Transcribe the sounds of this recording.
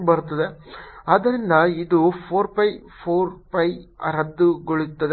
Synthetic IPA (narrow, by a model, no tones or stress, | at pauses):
bɐɾut̪ːɐd̪eaːd̪ɐɾind̪ɐid̪upʰoːɾpɐjpʰoːɾpɐjɾɐd̪ːuɡoɭit̪ːɐd̪e